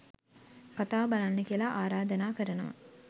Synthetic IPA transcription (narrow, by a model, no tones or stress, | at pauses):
kat̪aːbalanːəkijəlɐʔaːɾaːd̪ənaːkəɾənəʋa̰